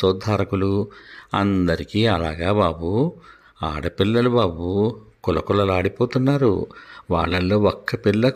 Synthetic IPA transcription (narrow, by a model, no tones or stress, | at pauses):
sɔːd̪ʱːaːɾɐkuluɐnd̪ɐɾikiːɐlaːɡaːbaːbu | a̰ːɽɐpilːɐlubaːbukulɐkulɐlaːɽipoːt̪unːaːɾṵʋa̰ːɭːɐlːo̞ːɔkːɐpilːɐ